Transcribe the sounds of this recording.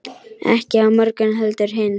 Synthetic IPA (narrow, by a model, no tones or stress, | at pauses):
ɛ̰hcɪawmœɾkʏnɦœlt̪ʏɾ̥ɦɪn